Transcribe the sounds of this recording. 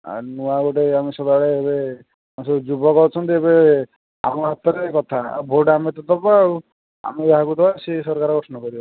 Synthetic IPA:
a̰nuaɡoʈeamisɔd̪aɭeːbe | asɔd͡ʒubɔkɔɾt͡ʃʰɔnt̪iebe | a̰mɔɦat̪ɔɾekɔt̪ʰaa̰bʱoɖamet̪ɔd̪ɔbau | a̰miaɦakut̪ɔasesɔɾkaɾɔɡɾɔsnɔkɔɾibɔ

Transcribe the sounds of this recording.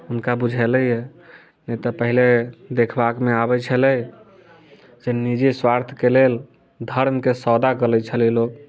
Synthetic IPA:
ɦunkabud͡ʒʱɛlɛɛ | nɛt̪ɔpəɦiled̪ekʰbakmeabɛt͡ʃʰəlɛj | d͡ʒenid͡ʒiswaɾt̪ʰkelel | d̪ʱəɾmkesɔd̪akəlɛt͡ʃʰəlɛlok

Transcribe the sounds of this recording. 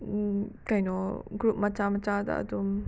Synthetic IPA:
kajnɔɡɾup̚mat͡ʃamat͡ʃad̪a̰ʔːd̪um

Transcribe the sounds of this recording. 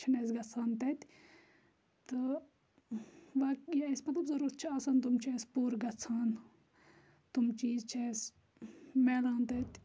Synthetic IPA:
t͡ʃʰɐnes̬ɡɐt͡sʰaːnt̪ɐt̪ | t̪ɨ | ʋaːkjsmɐt̪lɐbzɐɾuːɾt̪̚t͡ʃʰiaːsant̪umt͡ʃʰespuːɾɡɐt͡sʰaːn | t̪umt͡ʃiːzt͡ʃʰeːs | meːlaːnt̪ɐt̪ʲ

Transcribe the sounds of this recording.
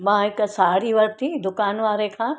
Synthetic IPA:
mãːɦɪksaːɽiʋɐɾt̪ʰid̪ʊkaːnʋaːɾekʰãː

